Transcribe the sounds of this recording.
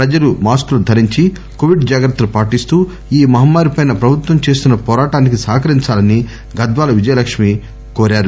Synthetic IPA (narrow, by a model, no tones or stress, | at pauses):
pɾɐd͡ʒɐlumaːskulud̪ʱɐɾiɲt͡ʃi | koʋiɖd͡ʒaːɡɾɐt̪ːɐlupaːʈist̪uː | iːmɐɦɐmːaːɾipɐjnɐpɾɐbʱut̪ʋɐmt͡ʃe̞ːst̪unːɐpɔːɾaːʈaːnikisaːkɐɾiɲt͡ʃaːlɐnːi | ɡɐd̪ʋaːlɐʋid͡ʒɐjɐlɐkʂmi | koːɾaːɾu